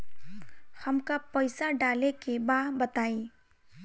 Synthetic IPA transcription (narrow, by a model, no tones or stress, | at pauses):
hɐmkapəɪsaɖaːlekebaːbɐt̪aːiː